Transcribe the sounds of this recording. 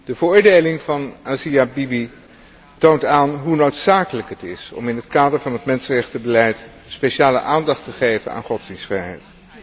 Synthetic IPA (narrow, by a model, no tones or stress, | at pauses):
d̥əvəɹʊːɹdejlɪŋvɑnʔaːziabibi | towntaːnɦunowtsaːkələkɦətɪsɔ̰mɪnɦətkaːdəɹvɑnɦətmɛnsənrɛχtəbəlɛjt | speʃaːlə̰ʔaːndɑχtəχejvə̰na̰ːnχɔtzd̥insfrɛjɦɛ̰jt